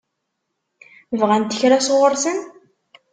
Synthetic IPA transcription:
vʁænt̪əçɾasʁəɾsən

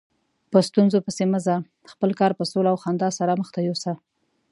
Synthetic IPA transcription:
pəst̪unzopəseməza | xpəlkɑɾpəsolaːwxɑnd̪ɑsaɾaməxt̪ajosa

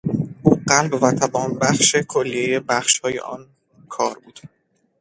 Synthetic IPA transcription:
ʔuːɢælbvæt̪ʰæbɒːnbæχʃe̞kʰolːije̞je̞bæχʃhɒːje̞̰ʔɒ̰n | kʰɒːɾbuːd̪̥

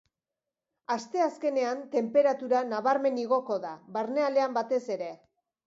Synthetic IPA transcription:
ast̪e̞aske̞ne̞ant̪e̞mpe̞ɾat̪uɾanaβaɾme̞niɣo̞ko̞ðaβaɾne̞ale̞ambat̪e̞se̞ɾe̞

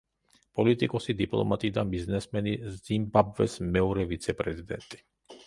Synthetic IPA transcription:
pʼɔlit̪ʼikʼɔsid̪ipʼlˠɔ̰mat̪ʼiːd̪abiznɛsmɛnizimbabvɛsmɛɔɾɛvit̪sʰɛpʼɾɛzid̪ɛ̰nt̪ʼi̥

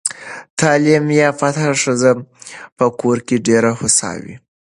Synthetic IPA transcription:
t̪ɑlimjɑfat̪ʰaɾʂəzapəkoɾkeɖeɾahʊsɑ̰wḭ

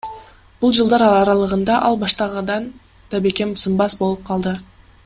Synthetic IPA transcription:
b̥ulˠd͡ʒɨlˠd̪ɑɾɑɑɾɑlˠɯʁɯnd̪ɑʔɑlˠbɑʃt̪ɑʁɑd̪ɑn | d̪̥ɑbekemsɯmbɑsbo̞lˠup̚qʰɑlˠd̪ɯ

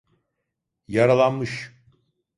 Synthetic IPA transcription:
jaɾalˠanmɯʃ

